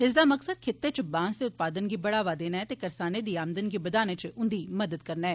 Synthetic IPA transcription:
ɦɪzd̪amɐksəd̪̚kʰɪt̪ːet͡ʃəbãːnsd̪eʊt̪̚paːd̪ənɡibɐɽaːʋad̪eːnaɦɛt̪ekɐɾsaːned̪iːaːmd̪ənɡibɐd̪aːnet͡ʃəʔʊnd̪iːmɐd̪əd̪̚kɐɾnaɦɛː

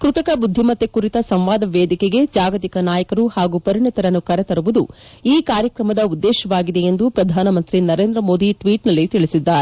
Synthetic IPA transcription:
kɾut̪ɐkɐbud̪ʱːimɐt̪ːekuɾit̪ɐsɐmʋaːd̪ɐʋeːd̪ʱikeɡe̞d͡ʒaːɡɐt̪ikɐnaːjɐkɐɾuhaːɡupɐɾiɳɐt̪ɐɾɐnːukɐɾɛt̪ɐɾuʋud̪uiːkaːɾjɐkɾɐmɐd̪ɐud̪ːeːʃɐʋaːɡid̪e̞jend̪upɾɐd̪ʱaːnɐmɐnt̪ɾinɐɾe̞ːnd̪ɾɐmo̞ːd̪iʈʋiːʈnɐlːit̪iɭisid̪ːaːɾe

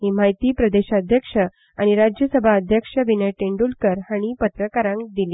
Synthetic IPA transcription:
ɦim̤ajt̪iːpɾəd̪eɕaəd̪ʱjəkʂə | aɽ̃iɾad͡ʑjəsəbʱaəd̪ʱjəkʂəʋinəjʈeɳɖulkəɾhaɽ̃ipət̪ɾəkaɾãŋk̚d̪ile

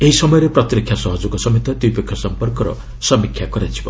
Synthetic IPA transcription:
eɦisɔmɔjɔɾeprɔt̪ɾikʰjasɔɦɔd͡zoɡɔsɔmit̪ɔt̪ujpekʰːɔsɔmpɔrkɔɾɔ̰ | sʌmikʰːjaɡɔɾat͡ʃʰi̥bɔ̰

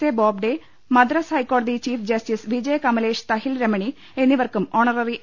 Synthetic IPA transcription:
eboːb̚ɖe | mɐd̪rɐsɐjkːoːɽɐd̪it͡ɕiːfd͡ʑɐsʈisʋid͡ʑeːkɐmɐleːʂt̪ɐhilɾemɐɳi | e̞nːiʋɐrkumoːɳɐrɐri

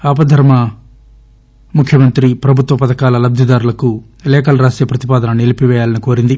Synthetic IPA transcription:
aːpɐd̪ʱɐɾmɐ | mukʰjɐmɐnt̪ɾipɾɐbʱut̪ʋɐpɐt̪ɐkaːlɐlɐb̚d̪ʱid̪aːɾulɐku | lɛːkɐlɐɾaːsjɐpɾɐt̪ipaːd̪ɐnɐnelipiʋɛːjaːlɐniko̞ːɾind̪i

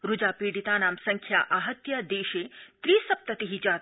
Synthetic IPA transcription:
ɾud͡ʒaːpeːɽit̪aːnaːmsɐŋkʰja̰ːʔaːɦɐt̪jɐd̪eːʃeːt̪ɾiːsɐp̚t̪ɐt̪iɦid͡ʒaːt̪

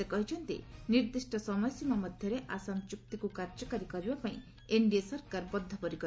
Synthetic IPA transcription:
ekɔɦit͡ʃʰɔnt̪ḭniɾd̪isʈɔsɔmɔjsjimamɔd̪ʱjɔɾeʔasamt͡ʃuk̚t̪ikukaɾd͡ʒɔkaɾikɔɾibapaĩ | eɳɖiasɔɾkaɾbɔd̪ʱːɔpɔɾikɔ

